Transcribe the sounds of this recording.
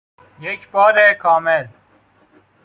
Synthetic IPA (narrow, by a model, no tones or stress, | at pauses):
jekbɔːɾekʰɔːmel